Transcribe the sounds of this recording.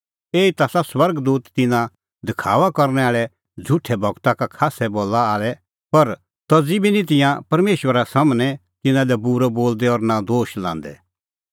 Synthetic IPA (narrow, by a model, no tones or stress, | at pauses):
eːit̪aːsaswɐɾɡd̪uːt̪ːɪnã | d̪ɪkʰaːʋakɐɾnɛaːɭɛ | d͡zʱʊʈʰɛbʱɐɡt̪akakʰaːsɛboːlːaaːlɛ | pɐɾ | t̪ɔd͡zibinit̪̬ɪ̃jãpɐɾmeːʃwəɾasɐmnɛ̃ | t̪ɪnãlɛbuɾɔboːld̪ɛɔɾnad̪oːʃlã̰ːn̆d̪ɛ̰